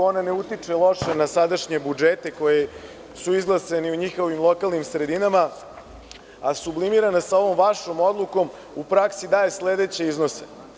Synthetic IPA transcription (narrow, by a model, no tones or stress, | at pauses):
onane̞ut̪it͡ʂelˠo̞ʃenasad̪aʃɲe̞bud͡ʒet̪e̞ko̞je | suizɡlˠaseniuɲixo̞ʋimlˠo̞kalˠnimsɾe̞d̪inama | asublimiɾanasao̞ʋo̞mʋaʃomo̞d̪lˠuko̞m | upɾaksid̪aːje̞sle̞d̪e̞t͡ɕe̞izno̞sḛ